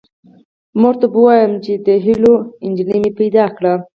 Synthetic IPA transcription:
moʐt̪abəwɑjəmt͡ʃed̪əɦiloɪnʲd͡ʒilimepajd̪ɑkɽa

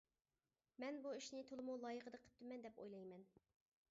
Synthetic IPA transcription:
mɛnbuiʃnɪt̪ʰolˠɨmulˠɑjəʁəd̪əqʰə̥p̚t̪ːɪmɛnd̪ɛpo̰jlˠɑjmɛn

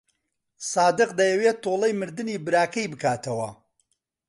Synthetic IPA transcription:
saːd̪ɨqd̪ɐjɐweːt̪ʰːoːlˠɐjmɨɾd̪ɨniːbɨɾaːkɐjbɨkaːt̪ʰɐwɐ̰

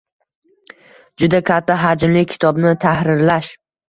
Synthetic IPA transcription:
d͡ʒʊd̪akʰʲat̪ʰːaɦad͡ʒmlɪkʲʰɪ̥t̪ʰɒbnɪt̪ʰahɾɪɾlaʃ

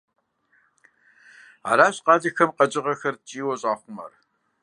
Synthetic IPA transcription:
a̰ːɾaːɕqɑːzɐxɐmqɐd͡ʒʼɪʁɐxɐrt͡ʃʼiːwɐɕʼaːχʷʊmɐ̰r

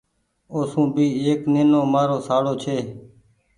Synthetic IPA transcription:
oːsũːbʱiːeːkneːnoːmaːɾoːsaːɽoːt͡ʃʰeː

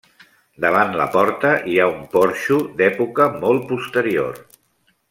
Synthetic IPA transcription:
d̪əβ̞anlə̰pɔɾt̪əʔiaumpɔɾʃud̪ɛpukəmɔl̚ˠpust̪əɾio̰r

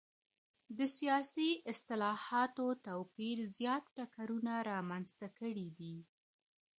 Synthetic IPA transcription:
d̪əsijɑsiʔɪst̪ɪlɑhɑt̪ot̪awpiɾzjɑt̪ʈakaɾunaɾɑmanzt̪akəɽid̪i

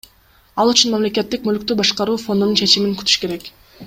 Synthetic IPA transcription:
ɑlˠyt͡ʃunmamle̞ke̞t̪ːikmølykt̪yːbɑʃqɑɾuːfo̞nd̪ununt͡ʃʰe̞t͡ʃimiŋkyt̪y̥ʃke̞ɾe̞k

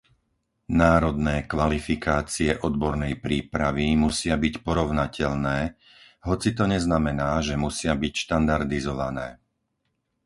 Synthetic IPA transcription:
naːɾɔd̪nɛːkʋalifikaːt͡siɛʔɔd̪bɔɾnɛjpɾiːpɾaʋimusɪabicpɔɾɔʊnacɛʎnɛː | ɦɔt͡sit̪ɔɲɛznamɛnaːʒɛmusɪabicʃt̪and̪aɾd̪izɔʋanɛː

